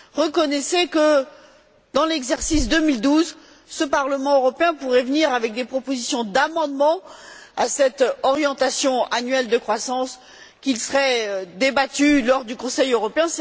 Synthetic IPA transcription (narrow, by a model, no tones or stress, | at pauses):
ʁəkɔnɛsekə | d̪ɑ̃lɛɡzɛʁsisd̪əmild̪uz | səpaʁləmɑ̃øʁɔpeɛ̃puʁɛvniʁavɛk̚d̪epχɔpozisjɔ̃d̪amɑ̃d̪mɑ̃asɛt̪ɔʁjɑ̃t̪asjɔ̃ʔanɥɛld̪əkχwasɑ̃s | kʲilsəʁɛd̪ebat̪ylɔʁd̪ykɔ̃sɛjøʁɔpeɛ̃